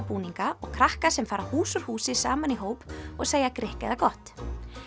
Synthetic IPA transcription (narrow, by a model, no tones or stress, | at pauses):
puːniŋkaɔɣkʰɾahkasɛmfaːɾahuːsʏɾ̥huːsɪsaːmaniɦoːwpɔɣseːjakɾɪhkɛðakɔht̪